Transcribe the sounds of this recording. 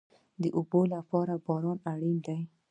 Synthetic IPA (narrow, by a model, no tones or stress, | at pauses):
d̪əʔʊbolapɑɾabɑɾɑnaɽind̪aj